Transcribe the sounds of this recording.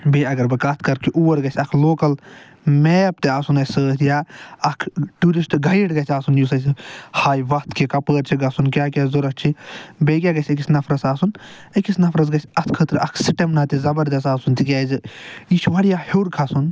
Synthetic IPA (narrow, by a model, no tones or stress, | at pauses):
beɐɡɐɾbɨkaːt̪ʰkɐɾkʰiʔuʋɐɾɡɐsʲɐkʰloːkɐl | meːp̚t̪eaːsunɐsəːt̪ʰjaɐkʰʈuɾisʈɡɐjiɽɡɐsʲaːsunjus̬ɐshaːjʋɐkʰt̪ʰkikɐpəːɾt͡ʃʰiɡɐsunkʲaːkʲaːzuɾɐkt͡ʃʰibekʲaɡɐsʲɐkisnɐfʰɾɐsaːsun | ɐkisnɐfʰɾɐz̬ɡɐsʲɐt̪ʰkʰət̪ɾɐkʰsiʈɐmnat̪izɐbɐɾd̪ɐs̬aːsunt̪ikʲɛːzit͡ʃʰuʋɐɽijaheːɾkʰɐsun